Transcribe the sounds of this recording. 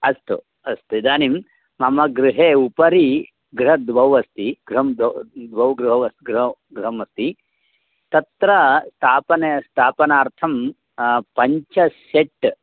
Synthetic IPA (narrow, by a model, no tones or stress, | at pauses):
ɐst̪u | ɐst̪ud̪aːnim | mɐmɐɡɾuɦeːupɐɾi | ɡɾɐd̪ʋɐwɐst̪iɡ̥ɾɦɐmd̪d̪ʋɐwɡɾuɦɐɐst̪ɡɾɐɡɾuɦɐmɐst̪i | t̪ɐt̪ɾɐst̪ʰaːpɐnɐɐst̪ʰaːpɐnaːɾt̪ʰɐm | pɐɲt͡ʃɐseʈ